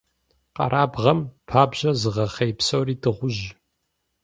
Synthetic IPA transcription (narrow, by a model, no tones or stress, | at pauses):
qɐ̰ɾʔaːbʁɐmpʰaːbʑɐzɨʁɐχejpsowriːdʰɨʁʷʊʒ